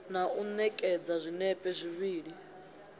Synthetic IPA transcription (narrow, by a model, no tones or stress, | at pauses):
naunɛkʼɛd͡zazʷinɛpʼɛzʷiβiːɺi